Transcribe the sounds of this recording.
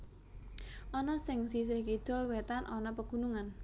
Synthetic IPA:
ʔɔnɔsɪŋsis̬ɪhkid̪̥ɔ̤lwet̪anʔɔnɔpəɡ̥ṳnuŋan

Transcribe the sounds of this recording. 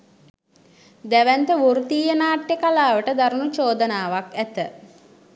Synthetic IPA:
d̪æʋænt̪əʋuɾut̪iːjənaːʈːekalaːʋəʈəd̪aɾunut͡ʃoːd̪ənaːʋakæt̪ə

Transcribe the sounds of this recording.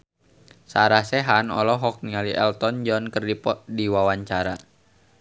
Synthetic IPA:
saɾasɛɦanɔ̰lɔɦɔk̚nialiʔɛ̰lt̪ɔnd͡ʒɔnkərdipɔdiwawaɲt͡ʃaɾa

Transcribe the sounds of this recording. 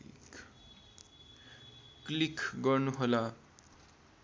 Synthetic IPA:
ḭk | klikɡʌrnuɦola

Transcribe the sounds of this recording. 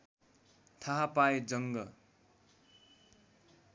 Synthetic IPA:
t̪ʰaɦapajd͡zʌŋɡʌ

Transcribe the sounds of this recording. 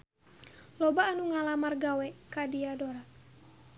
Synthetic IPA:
lɔbaːnuŋalamarɡawɛkadiadɔɾat̚

